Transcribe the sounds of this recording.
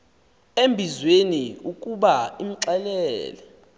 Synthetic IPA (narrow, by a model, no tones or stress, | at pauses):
embʱizweniukʼuɓaim̩ǀɛlɛɛːlɛ